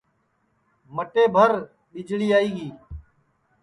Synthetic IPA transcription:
məʈeːbʱəɾ | ɓɪd͡ʒɭiːaːiːɡiː

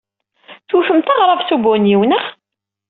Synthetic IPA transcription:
θufəmt̪ɑʁɾˤɑvθubʊnjiwnəχ

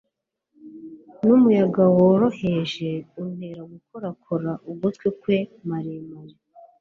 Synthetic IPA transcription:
numujaɡawoɾo̞heʒe̞ume̞ɾaɡukʰoɾakʰoɾaʔubɡutkwikwemaɾemaɾe

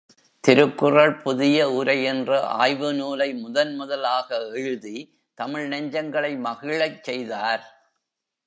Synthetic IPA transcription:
t̪ɪɾɯkːɯrɐɭpʊðɪjɐʊɾɐɪɛndrɯʔa̰ːjʋɯnuːlɐɪmʊðɐnmʊðɐlaːɣɐɛɻɯði | t̪ɐmɪɻnɐɲd͡ʒɐŋɡɐɭɐɪmɐɣɪɭɐɪt͡ʃːɛjðaːɾ

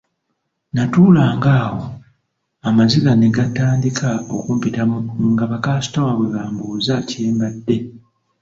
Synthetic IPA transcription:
natuːlaːŋɡaːho̞ | amazilaneɡataːndikʰao̰kuːmpitamuŋɡaβakaːsi̥tawaβwe̞βaːmbuːzaceːmbadːe̞

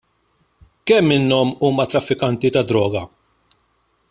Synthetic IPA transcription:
kɛmːɪnːɔmuːmɐt̪ɾɐfːɪkɐnt̪it̪ɐd̪ɾɔːɡɐ

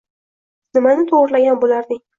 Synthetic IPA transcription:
nɪmanɪt̪ʰoʁɾlaɡʲanbolaɾd̪ɪŋ

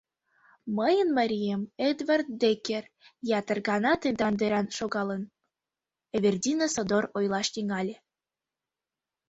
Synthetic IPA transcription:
məjənməɾʲijemed̪vɑrt̪̚d̪ekʲer | jɑt̪ərɣɑnɑt̪end̪ɑnd̪eɾɑnʃoɣɑlən | eβʲerd̪ʲinəsod̪orojlɑʃt̪iŋɑlʲe

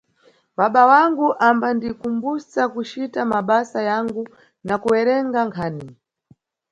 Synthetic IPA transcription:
ɓaɓawaŋɡuʔambandikumbusakut͡ʃitamaɓasajaŋɡu | nakuwɛɾɛŋɡaŋkʰaːni

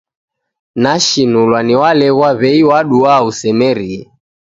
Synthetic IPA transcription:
naʃinulwaniwalɛɣwaβɛiwaɗuausɛmɛɾiɛ

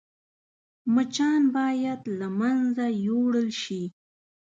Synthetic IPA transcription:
mət͡ʃɑnbɑjad̪lamanzajoɽəlʃi

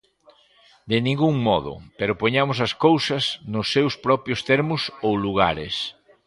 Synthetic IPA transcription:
d̪ɪnĩŋɡuŋmɔðʊ̰peɾʊpoɲamʊsɐskowsɐsnʊsːewspɾɔpɾjʊst̪ɛɾmʊsowluɣ̞a̰ɾɪs

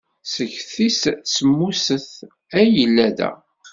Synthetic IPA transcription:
səçθissːəmːusəθ | æjəlːæðæ̰

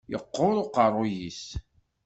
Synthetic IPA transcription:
jəqːʊɾˤʊqərˤːʊjis

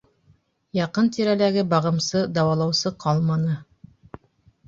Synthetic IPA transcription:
jɑqɤnt̪iɾælæɡɘbɑʁɤ̆msɤd̪ɑwɑlˠɑwsɤqʰɑlˠmɑnɤ

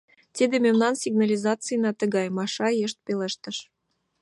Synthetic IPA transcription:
t̪ʲid̪emʲemnɑnsʲiɡnɑlʲizɑt̪t͡sɨjnɑt̪ə̆ɣɑjmɑʃɑjeʃt̪̚peleʃt̪ə̆ʃ

